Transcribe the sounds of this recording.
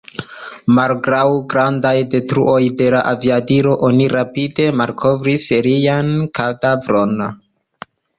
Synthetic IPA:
malɡɾawɡɾandajde̞tɾṵʔo̞jde̞laʔaviadiɾo̞ʔo̞niɾapide̞malkʰo̞vɾiseɾijankadavɾo̞n

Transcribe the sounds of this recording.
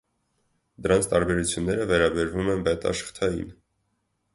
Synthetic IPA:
d̪əɾɑnt͡sʰt̪ɑɾbɛɾut͡sʰjunːɛɾəvɛɾɑbɛɾvumɛnbɛt̪ɑ̰ʃə̥χt̪ʰɑjḭn

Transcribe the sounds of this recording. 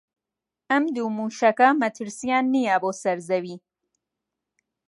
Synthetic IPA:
ʔɐmd̪uːmuːʃɐkɐmɐt̪ʰɨɾsijaːnːijɐboːsɐɾzɐwiː

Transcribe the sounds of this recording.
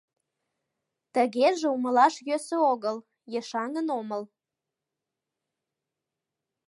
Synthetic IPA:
t̪ə̆ɣeʒeuməlɑʃjøsøoɣəl | jeʃɑŋənoməl

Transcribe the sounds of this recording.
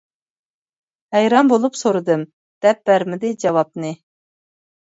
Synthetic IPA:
hɛjɾɑmbolˠupsoɾɨd̪ɨm | d̪̥ɛp̚b̥æɾmɪd̪ɪd͡ʒɑwɑp̚nɨ

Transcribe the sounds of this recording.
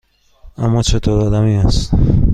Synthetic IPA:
ʔæmːɒːt͡ʃʰe̞t̪ʰoːɾɒːd̪æmiːæst̪

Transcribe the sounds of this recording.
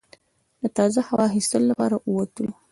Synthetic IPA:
d̪̥ət̪ɑzahawɑxist̪əlolapɑ̰ɾaʔuwat̪əlo

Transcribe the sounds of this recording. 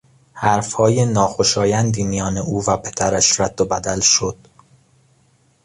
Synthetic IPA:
hæɾfhɒːjenɒːxoʃɒːjænd̪iːmijɒːneʔuːvæpʰe̞d̪æɾæʃɾæd̪̥ːobæd̪ælʃod̪̥

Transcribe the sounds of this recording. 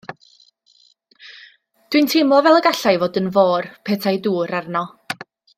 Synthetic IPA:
d̥wintʰemɔvɛlˠəɡaɬajvoːdənvoːrpʰɛtʰajduːɾarnɔ

